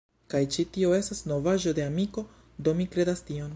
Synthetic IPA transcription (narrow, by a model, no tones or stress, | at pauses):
kajt͡ʃitio̞e̞stasno̞vaʒo̞de̞amiko̞ | d̪o̞mikɾe̞dastio̞n